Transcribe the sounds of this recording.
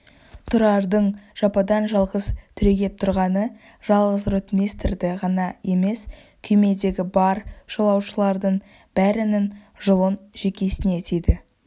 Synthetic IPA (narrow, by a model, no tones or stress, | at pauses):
t̪ʰʊɾɑɾd̪əɴʒ̥ɑpɑd̪ɑnʒɑlˠʁəz̥t̪ʰʏɾe̞ɡʲe̞p̚t̪ʰʊɾʁɑnə | ʒ̥ɑlˠʁəzɾɵt̪mʲest̪ɪrd̪ɪʁɑnɑje̞me̞s | kʲʰɵjme̞d̪e̞ɡʲɪbɑɾʒ̥olˠɑwʃəlˠɑɾd̪əɴ | b̥æɾɪnɪn | ʒʊlˠənʒ̥e̞kʲe̞sɪne̞t̪ed̪ɪ